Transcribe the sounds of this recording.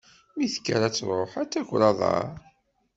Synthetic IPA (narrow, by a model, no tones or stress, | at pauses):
miθə̥kːa̰ɾæt͡sːɾˤoħæt͡sːækʷɾɑðˤɑ̰ɾˤ